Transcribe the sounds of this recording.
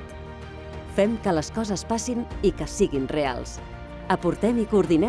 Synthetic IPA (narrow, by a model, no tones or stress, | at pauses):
fɛmkələskɔzəspasinikəsiɣinrea̰lˠs | əpuɾt̪ɛmikuːɾðinɛ